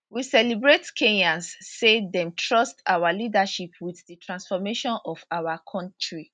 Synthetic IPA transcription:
wisɛlibɹetkʰẽɲãnsːedɛ̃mtʰɹɔstawalidaʃipʰwiθditʰɹãnsfɔmeʃɔ̃nɔfawakʰɔ̃ntɹi

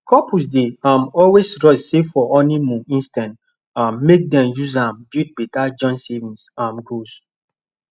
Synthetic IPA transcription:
kʰɔpʰus̬deãmɔlwesɹɔsseffɔʔɔnimũĩnstãnt | ãmːek̚dɛ̃mjuzãmbjut̚bitad͡ʒɔ̃nsevĩnsãmɡos

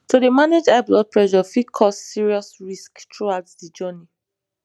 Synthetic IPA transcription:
tudəmaned͡ʒablɔd̚pɹɛʃɔfikʰɔssiɹiɔsɹisktɹuaʊtdid͡ʒɜni

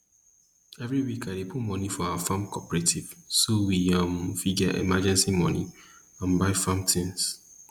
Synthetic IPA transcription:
ɛvɹiwikaɪdepʰutmɔnifɔawafãmkʰɔpɹetʰiv̥sowiãmfid͡ʒaʔḛmad͡ʒɛ̃nsimɔnḭ | ãnbaɪfãmtʰĩŋs

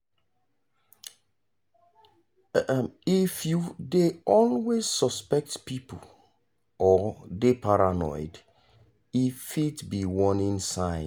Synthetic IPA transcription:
ifjudeɔlwez̥sɔspɛk̚tpipə̰ | ʔɔdepʰaɹanɔ̰ɪd | ifitbiwɔ̃nĩnsãɪ̃

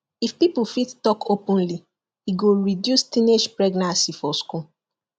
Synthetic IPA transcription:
ifpipufittɔkʰopɔ̃nli | hiɡoɹidjustĩned͡ʒpɹɛɡnãnsifɔsku

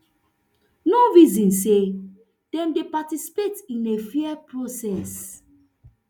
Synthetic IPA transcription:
noɹizɔ̃nse | d̥ɛ̃mdepatisi̥petĩnefɛɛpɹosɛs

